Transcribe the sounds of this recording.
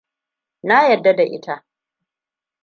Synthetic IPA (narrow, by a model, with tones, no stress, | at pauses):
na˦jɐ˨dːa˦da˨ʔɪ̰˦ta˦ʔ